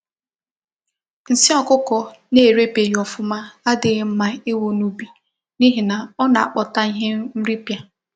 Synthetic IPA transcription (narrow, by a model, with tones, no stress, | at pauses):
n̩˨si˦ɔ˦kʊ˦kɔ˨ne˦˨ɾe˦pe˨ji˨ɔ˨fʊ˦ma˦a˦dɪ˨ɣɪ˦m̩˦ma˨e˦wo˦nu˦bi˨ | ni˦ɦɪ˨na˨ɔ˦na˨a̰˨k͡pɔ˨ta˦ɦɪ˦m̩˦ɾi˦pja˦